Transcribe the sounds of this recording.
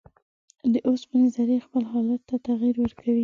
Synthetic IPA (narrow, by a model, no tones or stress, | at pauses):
d̪əʔospanazaɾexpəlɦɑlat̪ːat̪aɣiɾwəɾkʰawi